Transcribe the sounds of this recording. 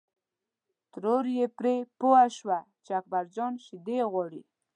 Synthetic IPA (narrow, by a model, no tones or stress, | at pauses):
t̪ɾoɾjepɾepoaʃwa | t͡ʃeak̚baɾd͡ʒɔnʃɪd̪eɣwɑɽḭ